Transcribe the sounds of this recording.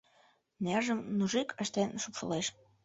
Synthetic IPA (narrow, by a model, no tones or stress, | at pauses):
nerʒəmnuʒikə̆ʃt̪enʃupʃə̰̆leʃ